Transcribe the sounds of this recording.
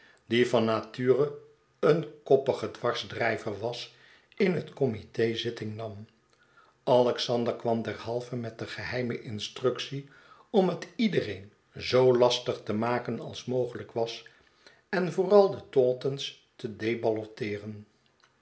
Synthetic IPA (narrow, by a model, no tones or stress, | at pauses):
divɑnːatyːrə | ənkɔpəχədʋɑɹzdrɛjvəɹʋɑs | ɪnɦətkɔmitejzɪtɪŋnɑm | ɑlɛksɑndəɹkʋɑmdɛɹhɑlˠvəmɛt̚dəχəɦɛjməʔɪnstrɵksi | ɔmətidərejn | zowlɑstəχtəmaːkənɑ̰lˠsmowχələkʋɑs | ɛnvoːrɑlˠdətɔːtəns | tədejbɑlɔtɪːrən